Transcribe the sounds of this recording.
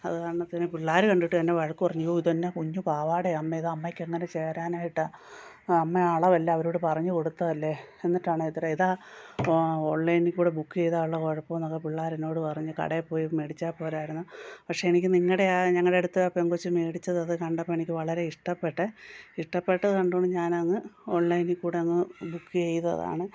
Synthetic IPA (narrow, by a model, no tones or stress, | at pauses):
ɐ̰ðɨkɐːɳɐt̪ɐnːepiɭːaːɾɨkɐɳɖiʈːɨt̪ɐnːe̞ʋɐɻɐkːɨpɐrɐɲːujoiðt̪ɐnːekuɲːupaːʋaːɽeɐmːeiðɨɐmːɐjkʲːeŋːɐne̞t͡ɕe̞ːraːnaːjiʈːa | ɐmːeaːɭɐʋɐlːeɐʋɐɾoːɽɨpɐrɐɲːuko̞ɽut̪ːɐðɐlːe | enːiʈːaːɳɨet̪ːiɾeiðaː | o̞ːɳlɐjnikʲːkuːɽebukːɨejðaːuɭːɐko̞ɻɐpːomnɐkːɐpiɭːaːɾeno̞ːɽɨpɐrɐɲːɨkɐ̰ɽepːo̞ːjime̞ːɽit͡ɕːaːpːo̞ːɾaːjiɾunːupɐkʂeenikʲːɨniŋːɐɽe̞ɲɐŋːɐɽeeɽut̪ːɐɐpːeŋɡot͡ɕːɨme̞ːɽit͡ɕːɐðɨɐðɨkɐɳɖɐpːoːenikʲːɨʋɐɭɐɾe̞iʂʈɐpːe̞ʈːɨiʂʈɐpːe̞ʈːɐðɨkɐɳɖooɳɖɨɲaːnɐŋːɨo̞ːɳlɐjnikʲːuːɽeɐŋːɐbukːɨejt̪ɐ̰ða̰ːɳɨ